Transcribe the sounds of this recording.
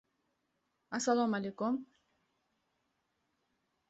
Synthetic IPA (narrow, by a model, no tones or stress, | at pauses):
asalamalekʊm